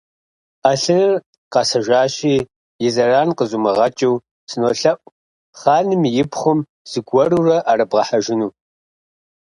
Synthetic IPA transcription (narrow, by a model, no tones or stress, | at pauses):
aɬɨnr | qɑsɐʒʷaːɕiː | jɪzɐraːnqəzumɨʁɐt͡ʃʼiw | sɨnoːɬɐʔʷʼ | χɑːnɨmjɪpχʷʊm | z̥ɨɡʷɔrurɐʔaɾɐbʁɐħaʒɪnuː